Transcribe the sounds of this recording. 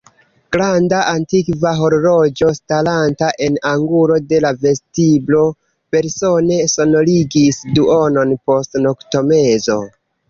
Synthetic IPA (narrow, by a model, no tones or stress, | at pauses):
ɡ̥ɾandaʔantikvaɦoɾɾo̞d͡ʒo̞stalantaʔe̞naŋɡuɾo̞de̞lave̞stiblo̞ | pe̞ɾso̞ne̞so̞no̞liɡisduono̞npo̞stnokto̞me̞zo̞̰